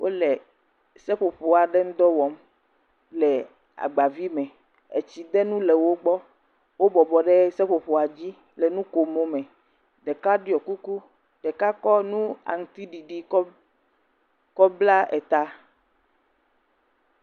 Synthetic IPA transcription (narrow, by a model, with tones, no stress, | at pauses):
wʔo̰˦lɛ˨ | sɛ˦ɸo˨ɸo˨a˨ɖɛ˦ŋ̩˦d̪ɔ˦wɔ˨m | lɛ˨ | a̰˨ɡ͡ba˨vi˦mɛ̃˨ | e˨t͡ɕi˨d̪ɛ˦nũ˦lɛ˨wo˦ɡ͡bɔ˦ | wo˦bɔ˨bɔ˨ɖɛ˦sɛ˦ɸo˨ɸo˨a˨d͡ʑi˦ | lɛ˨nũ˦ko˨mo˦mɛ̃˨ | ɖɛ˨ka˦ɖɔ˨ku˦ku˦ | ɖ̥ɛ˨ka˦kɔ˦nũ˦a̰˨ŋ̩˨t̪i˦ɖi˨ɖi˨ɔ˦ | kɔ˦bla˦ɛ̰˨t̪a˦